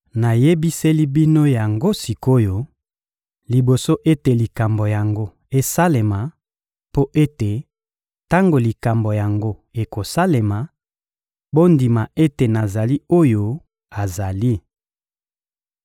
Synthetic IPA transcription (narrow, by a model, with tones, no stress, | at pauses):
na˨je˦bi˦se˦li˦bi˦no˦ja˨ŋɡo˦si˨ko˦jo˨ | li˨bo˨so˦ʔe˦te˨li˨ka˨mbo˨ja˨ŋɡo˦ | e˦sa˦le˨ma˨ | po˦ʔe˦te˨ | ta˦ŋɡo˨li˨ka˨mbo˨ja˨ŋɡo˦e˨ko˨sa˦le˨ma˨ | bo˦ndi˨ma˨e˦te˨na˨za˨li˦o˦jo˦ | a˨za˨li˦